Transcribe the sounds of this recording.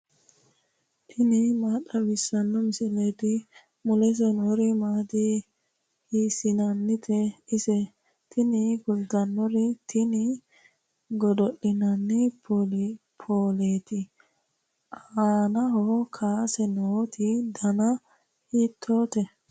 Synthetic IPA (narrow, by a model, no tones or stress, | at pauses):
t̪ʰɪnɪmaːtːɐbɪsːɐnːɔmɪsɪleːt̪ɪ | mʊlɛs̬ɛnoːɾɪmaːd̪i | hiːsɪnɐnːɪt̪ʰɛɪsɛ | t̪ʰɪnɪkʊld̪ɐnːɔɾɪt̪ʰɪnɪ | ɡɔd̪ɔɗɪnɐnːɛpɔlpʰoːleːt̪ɪ | aaːnɐɦɔkʰaːsɛnoːt̪ʰɪd̪ɐnɐ | hiːt̪ʰːoːt̪ɛ